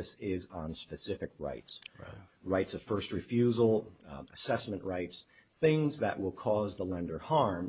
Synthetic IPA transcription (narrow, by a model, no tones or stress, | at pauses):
ɨsɪzn̩spɨsɪfɨk̚ɹa̰ɪts | ɹaɪtsʌv̥fɜ˞st̚ɹɨfjʉzl̩ˠəsɛsmɨ̃nʔɹaɪts | θɪ̃ŋzðɨ̰ʔwɪlˠkʰɔzðəlɛ̃ndə˞hɑɹm